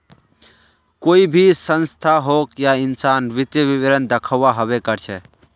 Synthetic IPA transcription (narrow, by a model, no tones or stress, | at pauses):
koːibʱisə̃nst̪ʰaɦokjaɪnsanʋɪt̪jəʋiʋəɾənd̪əkʰəʋaɦəβekəɾt͡ʃʰɛ